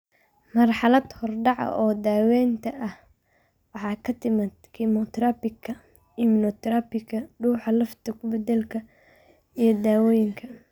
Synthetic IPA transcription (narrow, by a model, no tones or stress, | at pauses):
mɐrħɑlɐd̪hɔrɖɑʕɐ̰ʔɔːd̪aːwɛːnt̪ʰɐʔɐh | wɑħɑːkʰɐt̪ʰɪmɪd̪kʰimɔt̪ʰɾɐpɪkʰːɐ | imnɔt̪ʰɾapɪkɐɖuːħɑlɐft̪ʰɐkʰʊbɛd̪ɛlkʰɐ | ijɞd̪aːwɔːjɪŋkʰɐ